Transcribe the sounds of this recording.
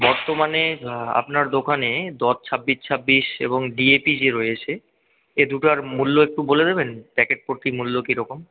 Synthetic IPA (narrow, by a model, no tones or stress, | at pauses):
bɔɾt̪omanea̰pnaɾd̪okʰaned̪ɔt͡ɕʰabːit͡ɕʰabːiʃḛboŋɖiepid͡ʑeɾoeet͡ɕʰe | ed̪uʈaɾmulːoek̚ʈuboled̪ebenpɛkeʈ̚poɾt̪imulːokiɾɔkom